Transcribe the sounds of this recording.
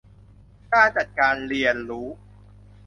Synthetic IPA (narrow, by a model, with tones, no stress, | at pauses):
kaː˥˩nt͡ɕa˨˩t̪̚kaː˧nli˨˧˩ənɾuː˦˥